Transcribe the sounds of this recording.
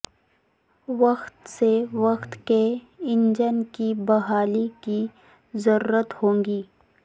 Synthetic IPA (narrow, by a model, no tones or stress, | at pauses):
ʋɐxt̪seʋɐxt̪ke | ɪ̃ɲd͡ʒənkibɐɦaːliki | zɐɾuːɾət̪hõːŋɡiː